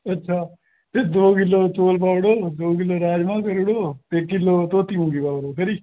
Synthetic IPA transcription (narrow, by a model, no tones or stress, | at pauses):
ɐtːʃʰaː | t̪eːd̪oːkɪlːoːt͡ʃoːlp̬aːʋɽoːd̪oːkɪlːoːɾaːd͡ʒmãːkəɾʊɽoːt̪eːkɪlːoːt̪oːt̪iːɦũːɡiːpaːʋɽoːkəɾiː